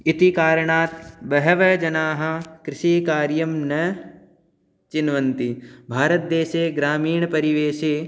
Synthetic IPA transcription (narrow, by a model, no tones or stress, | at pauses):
ɪt̪ikaːɾɳaːt̪bɐɦɐʋɐd͡ʒɐnaːɦɐkɾɪʃikaːɾjɐmnɐ | t͡ʃɪnʋɐ̃nt̪ibʱaːɾət̪̚d̪eːʃeːɡɾaːmiːɳpɐɾiʋeːʃeː